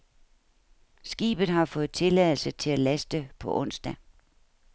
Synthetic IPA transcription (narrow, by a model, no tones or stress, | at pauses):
sɡ̥ḭːb̥ð̩ˠɦɑ̈fɔ̽ːð̩ˠt͡sʰe̝lɛðˠl̩sət͡sʰe̝lælæsd̥əpʰɒ̽ʔɔ̽n̰sd̥æ